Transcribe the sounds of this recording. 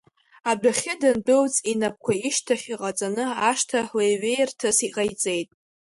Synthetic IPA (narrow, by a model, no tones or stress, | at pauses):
abaχʲɪdɨnbɨlt͡sʼinap̚ʰkʷʰaiʃtʰaχʲiqʼat͡sʼanɨaʂtʰaħlejɥejrtʰɨsiqʼajt͡sʼe̞jtʼ